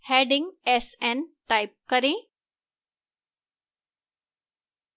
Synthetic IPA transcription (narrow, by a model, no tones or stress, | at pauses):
heɖɪ̃ŋɡesɛnʈajp̚kəɾẽ